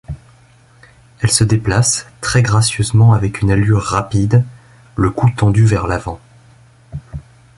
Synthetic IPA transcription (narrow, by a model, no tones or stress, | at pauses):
ɛlsəd̪eplast̪χɛɡʁasjøzmɑ̃avɛkynalyʁːapid̪ | ləkut̪ɑ̃d̪yvɛʁlavɑ̃